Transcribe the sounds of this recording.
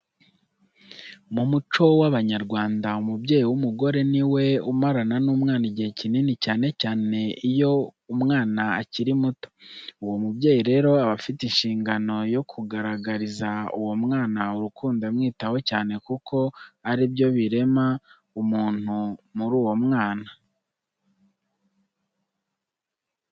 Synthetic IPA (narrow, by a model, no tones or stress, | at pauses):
mumut͡ʃo̞waβaɲaɾɡwaːndaumubɟe̞ːjiwumuɡo̞ɾe̞niwe̞umaɾananuːmŋaːniɟihecininicaːne̞caːne̞ijo̞umŋaːnaaciɾimuto̥uwo̞mubɟe̞ːjiɾe̞ːɾo̞aβafitinʃiːŋɡano̞jo̞kʰuɡaɾaɡaɾizaṵwo̞mŋaːnauɾukuːndamŋiːtawo̞caːne̞kukʰo̞aɾibjo̞βiɾe̞ma | umuːn̥humuɾuːwo̞mŋaːna